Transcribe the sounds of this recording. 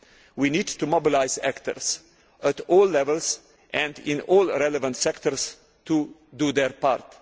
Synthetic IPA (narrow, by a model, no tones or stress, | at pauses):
winidtumobɪlaɪzæ̰ktə̰ɹs | ətɔːlːɛvəlˠs | ʔɛ̃ndɪ̃nɔːlˠɾɛləvə̃ntsɛktəɾs | tudud̪əɾpaɾt̪